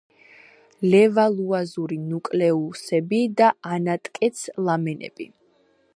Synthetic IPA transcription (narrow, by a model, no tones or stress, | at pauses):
lɛvalˠuazuɾinukʼlɛusɛbid̪aanat̪ʼkʼɛt̪sʰlˠamɛnɛ̰b̥ḭ